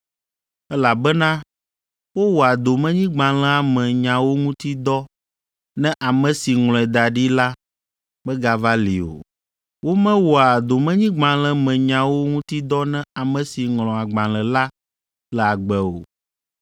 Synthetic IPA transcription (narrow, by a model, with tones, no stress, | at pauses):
ɛ˦la˨bɛ˦nã˦ | wo˦wo˨a˨d̪o˨mɛ̃˦ɲĩ˦ɡ͡bã˨lɛ̃˦a˨mɛ̃˨ɲã˨wo˦ŋũ˦t̪i˦d̪ɔ˦ | nɛ̃˦ʔa˨mɛ̃˨si˨ŋl̃ɔ̃˨ɛ˨d̪a˨ɖi˦la˦ | bɛ˦ɡa˨va˦lḭ˨o̰˨ | wo˦mɛ̃˦wo˨a˨d̪o˨mɛ̃˦ɲĩ˦ɡ͡bã˨lɛ̃˦mɛ̃˨ɲã˨wo˦ŋũ˦t̪i˦d̪ɔ˦nɛ̃˦a˨mɛ̃˨si˨ŋlɔ̃˨a˨ɡ͡bã˨lɛ̃˨la˦ | lɛ˨a˨ɡ͡bɛ˨o̰˨